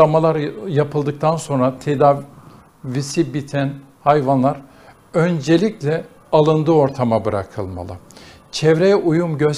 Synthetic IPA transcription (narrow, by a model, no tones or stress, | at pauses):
amalˠaɾjapʰɯlˠd̪ɯk̚t̪ʰanso̞nɾat̪ʰed̪aːv | visibit̪ʰæn | hajvanlˠaɾ | ønd͡ʒelʲiclʲɛ | alˠɯnd̪ɯo̞ɾt̪ʰamabɯɾa̰kʰɯlˠma̰lˠɯ̰ | t͡ʃʰɛvɾejɛʔujumɟø